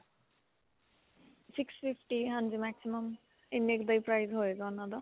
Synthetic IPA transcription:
sikspʰipʰʈiɦand͡zimaksimʌm | inːekd̪ʌjpɾajzɦoeɡʌnʌd̪ʌ

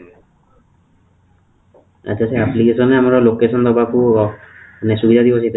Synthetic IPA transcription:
a̰t͡ʃaseaplikesɔnɛamaɾɔlokesɔnd̪ɔbaku | nɛsubid̪ʱad̪ibɔsʰit̪ɛ

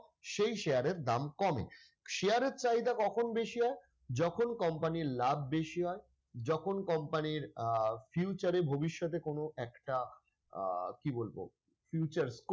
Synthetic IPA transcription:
ʃejʃejaɾeɾd̪amkɔmḛ | ʃejaɾeɾt͡ɕaɦid̪akɔkʰonbeʃiɦɔe | d͡ʑɔkʰonkɔmpaniɾlab̚ʱbeʃiɦɔe | d͡ʑɔkʰonkɔmpaniɾfjut͡ɕaɾebʱobiʃːɔt̪ekonoɛkʈa | kibolbo̰ | fjut͡ɕaɾsk

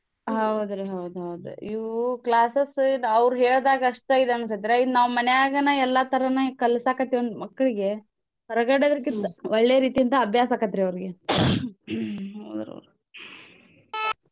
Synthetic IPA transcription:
ɦɐwd̪ɾeɦɐwd̪uɦɐwd̪ɾḛiʋklaːsesɐʋɾuɦeːɭd̪aːɡɐɐʂʈeid̪eɐnsɐt̪iɾeid̪unaːʋumɐnejaːɡɐnɐɛlːat̪ɐɾɐnɐkɐlsaːkɐt̪ːiʋond̪umɐkːɐɭiɡe̞ | ɦɐɾɐɡɐɽed̪ɾɐkint̪ɐʋɔɭːejɐɾiːt̪ijint̪ɐːbʱjaːsaːkɐd̪ɐɾeɐʋɾiɡe̞ | ɦɐwd̪ɾeɐ̰wɾu

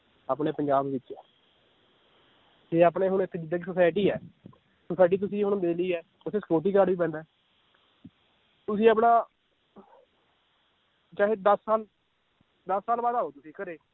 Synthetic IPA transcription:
aːpneːpəɲd͡ʒaːbʋɪtːʃɛː | d͡ʒeːaːp̬neːɦʊnɪt̪ʰːeːd͡ʒɪd̪əːɡiːsəsaːɪʈiːɛː | səsaːɪʈ̬iːt̪̬ʊsĩːɦʊñd̪eːliːɛː | ʊsʰeːsəkoːt̪̬iːkaːɖʋiːpɛ̃ːnd̪aː | t̪ʊsĩːaːp̬naː | t͡ʃaːɦeːd̪əsːaːl | d̪əsːaːlbaːd̪aːɦoːt̪ʊsĩːkəɾeː

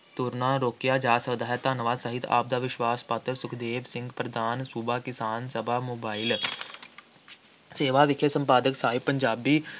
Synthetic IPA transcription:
t̪ʊɾnãːɾoːkjaːd͡ʒaːsʋəd̪aːɦt̪aːnəʋaːzsəɦɪt̪a̰ːb̚d̪aːʋɪʃʋaːspaːt̪əɾsʊkʰd̪eːʋsɪ̃ŋɡpɾəd̪ʱaːnsubʱaːkɪsaːnsəbʱaːmoːbaːɪl | seːʋaːʋɪkʰːjəsə̃mpaːd̪əksaːɦɪpːə̃ɲd͡ʒaːbiː

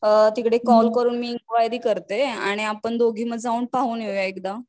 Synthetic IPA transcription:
t̪ikɽekɔlkəɾuːnmiŋkʋajd̪iːkəɾt̪ea̰ɽ̃iapəɳd̪oɡʱiːməd͡zauːɳpaɦuːnjejaekd̪a

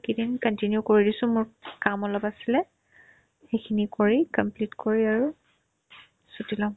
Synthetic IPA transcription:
kidinkəntinjukoɹidisʊ̃mʊɹkamɔlɔpasilɛ | xejkʰinikoɹikɔmplitkoɹiaɹu | sutilãʊ̃

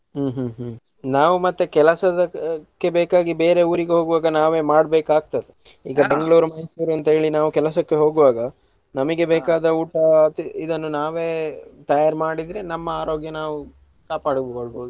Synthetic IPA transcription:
ɦuːɦːɦ | naːʋumɐt̪ːekɛlɐsɐd̪ɐkːe̞beːkaːɡibe̞ːɾe̞uːɾiɡeɦo̞ːɡuʋaːɡɐnaːʋe̞ːmaːɽbeːkaːɡ̚t̪ɐd̪eḭːɡɐbeŋɡɐɭuːɾumɐjsuːɾɐnt̪ɐɦeːɭinaːʋukɛlɐsɐkːe̞ɦo̞ːɡuʋaːɡɐ | nɐmɐɡe̞beːkaːd̪ɐuːʈɐt̪id̪ɐnːunaːʋe̞ːt̪ɐjaːɾmaːɽid̪ɾenɐmːɐaːɾo̞ːɡjɐnaːʋu | kaːpaːɽbɡoɭboːd̪u

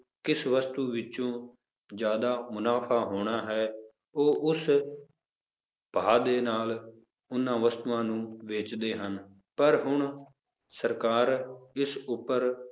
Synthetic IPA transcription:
kɪsʋəst̪uːʋɪt͡ʃõː | d͡ʒjaːd̪aːmʊnaːpʰaːɦoːɽ̃aːɦɛː | oːʔʊs | b̥ʱaːd̪eːnaːl | ʊnːãːʋəst̪ʋãːnũːʋeːt͡ʃd̪eːɦən | pəɾɦʊɳ | səɾkaːɾɪsʊpːəɾ

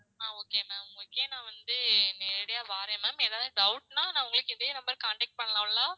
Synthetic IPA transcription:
aːoːkeːmaːɡɐɭkːeːnãːʋɐnd̪ɯnɛɾɽɪjaːʋaːɾẽːmaːmeːðaːʋðɯɖɐʊʈnãːnãːʋʊŋɡɐɭɯkːɯɪðeːnɐmbɐɾkaːɳʈɛk̚ʈ̚pɐɳːɐlãːllaː

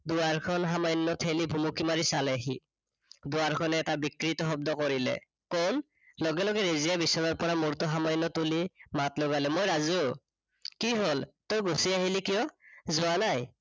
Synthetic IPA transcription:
dʊaɹkʰɔnɦamajnːɔtʰelibʱumukimaɹisalɛaɦi | dʊaɹkʰɔnɛːtabikɹitɔɦɔb̚dɔkɔɹilɛ̰ | kon | lɔɡɛlɔɡɛɹezijabisɔɹɔɹpɔɹamuɹtɔɦamajnːɔtulimatloɡalɛmojɹazu | kiɦoltojɡusiaɦilikijɔzʊanaj

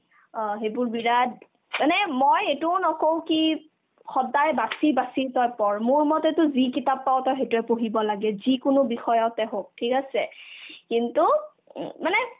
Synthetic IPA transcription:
ɔ̃ɦejbʊɹbiɹad | manɛmojetʊʊnɔkowki | xɔdajbasibasitɔjpɔɹmʊɹmɔtɛtʊzikitapːawtɔxetʊɛpoɦibɔlaɡɛzikʊnʊbixɔjɔtɛɦok̚tʰikasɛkintu | manɛ

